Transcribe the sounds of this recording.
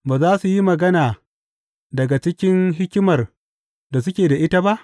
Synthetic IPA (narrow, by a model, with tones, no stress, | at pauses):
baː˨zaː˦su˨ji˦mɐ˨ɡɐ˦naː˨ | dɐ˨ɡa˨t͡ʃɪ˦kʲɪ˦ŋɦɪ˦kʲmɐ˨r | da˨s̬ʊ˦kʲeː˨da˨ʔɪ˦ta˦ba˦ʔ